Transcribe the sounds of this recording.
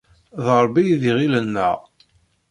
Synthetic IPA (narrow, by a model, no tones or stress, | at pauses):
ðəɾˤbːijðiʁilənːə̰ʁ